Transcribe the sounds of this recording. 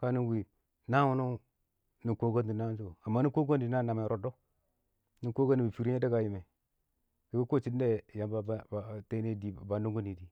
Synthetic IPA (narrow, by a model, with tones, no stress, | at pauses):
ka˦ni˦wi˨ | na˦wu˦no˦ | ni˨ko˦ɡo˦di˨na˦ns̬o˦˨a˨mːa˦ni˦ko˦ɡo˦ndi˨˦a˦˨na˨me˨ɾo˨do˦ | ni˨ko˦ɡa˦nːi˨bi˨fi˨ɾi˦e˦da˦ɡa˨ji˨me˨ | di˨ɡu˦ko˦˨t͡ʃi˦de˦ja˨mba˦˨te˦ne˦di˨ba˨no˦ŋɡo˦ni˨di˨